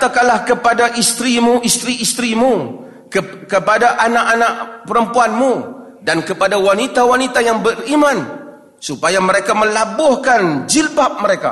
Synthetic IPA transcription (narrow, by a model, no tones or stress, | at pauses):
t̪akalahkəpadaʔist̪ɾimuist̪ɾiːst̪ɾimu | kəkəpadaʔanaʔanaʔpəɾəmpuanmu | dankəpadawanit̪awanit̪ajaŋbərimãn | supajaməɾekamə̃labʊhkand͡ʒilbap̚məɾeka̰